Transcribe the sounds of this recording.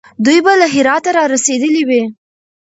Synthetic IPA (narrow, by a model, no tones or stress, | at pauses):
d̪ujbalaɦɪɾɑt̪aɾɑɾased̪əliwi